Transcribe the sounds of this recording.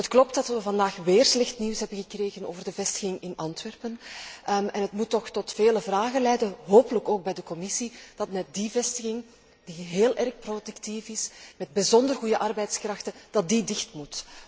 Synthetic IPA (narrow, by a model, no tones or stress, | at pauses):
ətklɔp̚tdɑtʋəvɑndaːxʋeːrslɛxtniwsɦɛbənɣəkreːɣəno̰ːvərdəvɛstə̥ɣɪŋɪnʔɑntʋɛrpən | ɛnətmutːɔxtɔtfeːləvraːɣənlɛjdəɦoːpələkoːɡ̚bɛjdəkɔmɪsid̥ɑtmɛt̚divɛstəɣɪŋ | d̥iɦeːlʔɛrxprodyktifɪsmɛd̚bəzɔndərɣujəʔɑrbɛjtskrɑxtəd̥ɑt̚didɪxtmut